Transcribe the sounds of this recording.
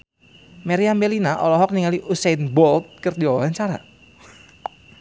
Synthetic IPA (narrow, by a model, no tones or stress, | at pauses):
meɾiambelinaʔɔ̰lɔɦɔk̚niŋaliʔusejnbɔlt̪̚kərdiɔwaɦaɲt͡ʃaɾa̰